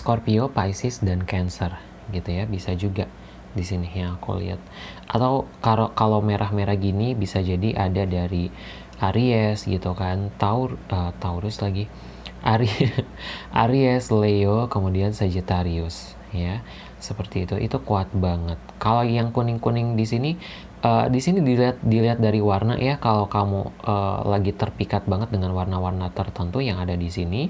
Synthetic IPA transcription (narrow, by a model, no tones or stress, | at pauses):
skorpiopajsɪsdankɛnsər | ɡit̪ujabisad͡ʒuɡa | disinɪhjaŋakṵlḭa̰t̪̚ | ʔat̪awkalakalawmeɾʔahmeɾahɡinibisad͡ʒadiʔadadaɾi | ʔaɾiɛsɡḭt̪ukant̪aʊrət̪auɾʊslaɡi | ʔaɾi | ʔa̰ɾiɛsleokəmudiansəd͡ʒit̪aɾiʊs | ja | səpərt̪iːt̪uʔḭt̪ukuat̪̚baŋət̪̚kalawjaŋkunɪŋkunɪŋdisini | ʔədisinidilat̪̚diliɦat̪̚daɾiwarna̰ʔjakalawkamṵʔəlaɡit̪ərpikat̪̚baŋət̪̚dəŋanwarnawarnat̪ərt̪ənt̪ujaŋadadisini